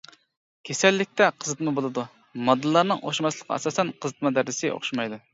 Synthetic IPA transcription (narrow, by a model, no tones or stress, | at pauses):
kʲʰesɛlːɪk̚ʲt̪ʰɛqʰəzɨt̪mɑbolˠɨd̪u | mɑd̪ɨlˠːɑɾnɨŋo̰χʃmɑslˠəqʰɑ̰ɛ̰sɑːsɛnqʰəzɨt̪mɑd̪æɾd̪ɪsɪʔo̰χʃimɑjd̪u